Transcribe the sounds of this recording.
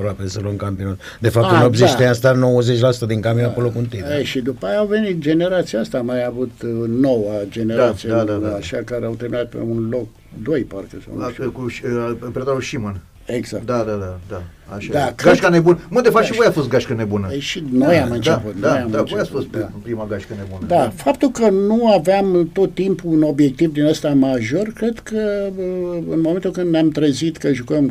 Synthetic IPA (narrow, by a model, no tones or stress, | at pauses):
pɾoapesəloŋkampionat̪ | d̪e̞fap̚t̪unopziʃt̪east̪ano̞wəzet͡ʃʲlasut̪əd̪iŋkamjoaolokunt̪id̪eʃid̪upajaawve̞nit̪̚d͡ʒe̞neɾat̪siaast̪amajavut̪nowəd͡ʒe̞neɾat̪sieaʃakaɾeawt̪erminat̪̚pḛunlo̞k̚ | d̪o̞jparkəsa̰w̰nʃkupɾead̪aɾulʃimən | eɡzakd̪ad̪ad̪ad̪a | aʃd̪akɡaʃkanebunmɨnd̪efaʃivojafos̬t̪ɡaʃkənebunəeʃino̞jamɨnt͡ʃ̪eput̪nojamɨnt͡ʃojasfost̪apɾimaɡaʃkənebunəd̪afapt̪ulkənuaveamt̪o̞t̪ːimpuuno̞bje̞k̚t̪ivd̪inast̪amaʒo̞rkɾe̞d̪kə | ɨnmoment̪ulkɨnd̪nʲamt̪ɾəzit̪kəʒukəm